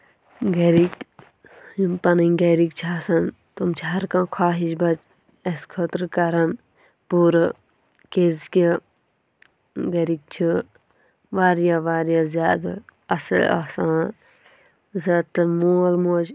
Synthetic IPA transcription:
ɡɐɾik | impɐniɡɐɾik̚t͡ʃʰaːsɐn | t̪umt͡ʃʰiɦɐɾkãːkʰaːɦiʃbɐt͡ʃ | ɐskʰɐt̪ɾkɐɾɐn | puːɾ | keːzkʲi | ɡɐɾik̚t͡ʃʰi | ʋaːɾjaʋaːɾjaːzjaːd̪aɐsɐ̰la̰ːsãːn | zɐt̪ːɐmuːlmoːd͡ʒ

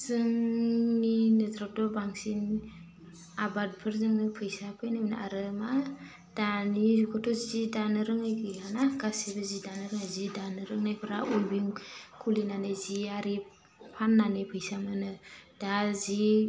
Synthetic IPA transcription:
z̥ɯŋninɯdɾap̚dɔbaŋsin | abad̚pʰɯɾzɯŋnɯpʰɯjsapʰɯjnɯmnaɾɯma | d̥anizukʰɔtʰɔzizidanɯɾɯŋajkʰɯjanaɡasebazidanɯɾɯŋajzidanɯɾɯŋnajpʰɯɾa̰ulbiŋkʰulinanajziaɾi | pʰanːanɯpʰɯjsamɯnɯd̥azi

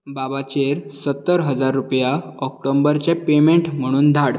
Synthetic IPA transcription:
babat͡ɕeɾsət̪ːəɾɦəd͡zaɾːupjaɔk̚ʈombəɾt͡ɕɛpemeɳʈm̤əɽ̃uːnd̪ʱaɽ

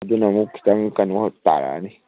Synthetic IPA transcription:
dunamuki̥taŋkanɔt̪a̰ɾa̰ni

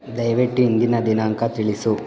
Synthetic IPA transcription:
d̪ɐjʋeʈːiːnd̪inɐd̪inaːŋkɐt̪iɭisu

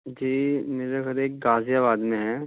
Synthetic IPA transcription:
d͡ʒiːmeːɾeɡɐɾeːk̚ɡaːzjaβaːd̪mẽɦɛ̃

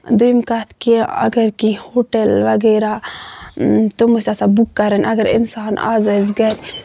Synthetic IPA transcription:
d̪ujimkɐt̪kiɐ̰ɡɐɾkihoʈelʋɐɡeːɾa | t̪omusasabukːɐɾɐnʔɐɡɐɾḭnsaːna̰ːzɐzɡɐɾʲ

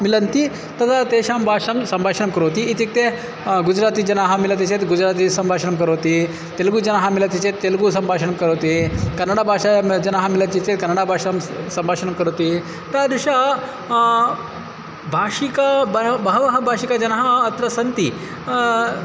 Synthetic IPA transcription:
milɐnt̪i | t̪ɐt̪ʰat̪eʃambʱaːʂɐmsɐmbʱaːʂəɳɐmkɐɾot̪iit̪ik̚t̪e | ɡud͡ʑɾaːt̪iːd͡ʒɐnaɦamilat̪̬it͡ɕet̪ɡud͡ʑɾaːt̪̬isɐmbʱaʂəɳɐmkɐɾot̪i | t̪elɡuːd͡ʒɐnaɦamilɐt̪it͡ɕet̪ːelɡusɐmbʱaːʂəɳɐmkɐɾot̪ikɐɾnːɐɽabʱaːʂad͡ʒɐnaɦamilat͡ɕit͡ɕet̪kɐɾnːəɽabʱaːʂɐmsɐmbʱaːʂəɳɐmkɐɾot̪i | t̪ad̪iʂa | bʱaːʂikabɐbɐʋɐɦɐbʱaʃikad͡ʒɐnɦaɐt̪ɾɐsɐnt̪i

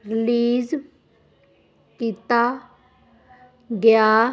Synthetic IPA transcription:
ɾɪliːz | kit̪aː | ɡɪjaː

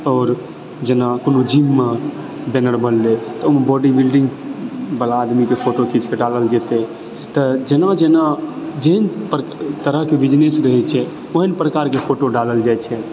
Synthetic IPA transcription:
ɔːɾ | d͡ʒenakonod͡ʒimːa | benəɾbʱəllet̪ɔomebɔɖibilɖĩŋɡbəlaːd̪mikepʰoʈokit͡ʃkeɖaləld͡ʒɛt̪ɛ | t̪əd͡ʒenad͡ʒenad͡ʒeɦənpɾt̪əɾəɦkebid͡ʒnesɾəɦɛt͡ʃʰɛ | oɦənpɾəkaɾkepʰoʈoɖaləld͡ʒajt͡ʃʰɛ

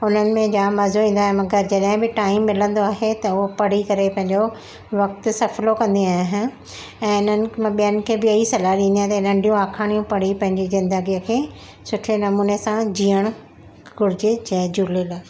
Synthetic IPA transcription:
ʊn̤ənɪ̆mẽd͡ʑaːmɐzoĩːn̆d̪aːɦemɐɡəɾd͡ʑɐɗɦɪ̃bɪʈaːɪmːɪlə̃nd̪oaːɦet̪ɐʊɦopɐɽ̤ikɐɾepɐ̃ɦɪ̃ɲd͡ʑo | ʋɐk̚t̪ʊ̆sɐflokɐ̃nd̪iaːɦɪnɪ̆ | ɛ̃ːɪn̤ənɪ̆ɓijənɪ̆kʰeːbɪɐisɐlaːɾĩːnd̪iaːɦt̪ːɪnɐ̃ɳɖijũaːkʰaːɽ̃ijũpɐɽ̤ipɐ̃ɦɪ̃ɲd͡ʑizɪ̃nd̪əɡijəkʰeː | sʊʈʰenɐmuːnesãd͡ʑiːəɽ̃ | ɡʊɾɪd͡ʑed͡ʑɛːd͡ʑuːlela

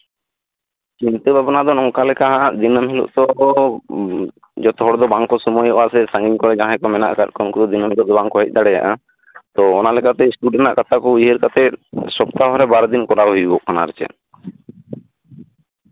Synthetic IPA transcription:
t͡ʃint̪ebʱabɔnad̪ɔnɔkalɛkaɦãʔd̪inəmɦilɔ̰ʔt̪ɔ | d͡ʒɔt̪ɔɦɔɽɔd̪ɔbaŋkɔsɔmɔjɔʔasɛsãŋɡiŋkɔɾɛd͡ʒãɦãkɔmɛna̰ʔkatkɔnkud̪ɔd̪inɔmilɔʔd̪ɔbaŋkɔɦijt̪̚ˀd̪aɽɛja̰ʔa | t̪ɔːnalɛkat̪ɛsʈuɖɛna̰ʔkat̪ʰakɔiɦeɾkat̪ɛsɔpt̪aɦɔɾɛbaɾɔd̪inkɔɾaɦujubɔʔkʰana̰ɾɛt͡ʃɛ̰

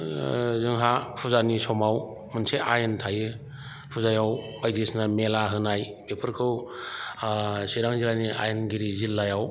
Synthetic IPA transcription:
zɯŋɦapʰuzanisɔmaw | mɯnseajɯntʰajɯ | pʰuzajaw | bajdesnɐmelaɦɯnaj | bepʰɯɾkʰɯw | siɾaŋzilaniʔa̰jnɡiɾizilːajaw

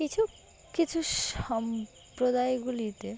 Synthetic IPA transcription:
kit͡ɕʰu | kit͡ɕʰuʃɔm | pɾod̪ajɡulit̪e

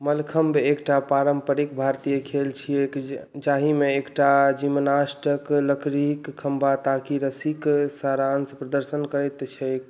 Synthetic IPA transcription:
məlkʰəmbeːkʈapaɾəmpəɾikbʱaɾt̪ijekʰelt͡ʃʰiekd͡ʒaɦimeekʈad͡ʒimnasʈəkləkɾikʰːəmbʱat̪akiɾəsiksaɾansəpɾəd̪əɾsənkəɾɛt̪t͡ʃʰɛek

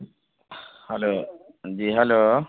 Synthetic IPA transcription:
hɛlo | ziɦɛlo

